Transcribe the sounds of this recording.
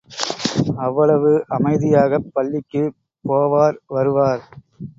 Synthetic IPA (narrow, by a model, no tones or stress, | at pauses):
ɐʋːɐɭɐʋɯʔɐmɐɪðɪjaːɣɐpːɐɭːɪkːɯ | poːʋaːɾʋɐɾɯʋaːɾ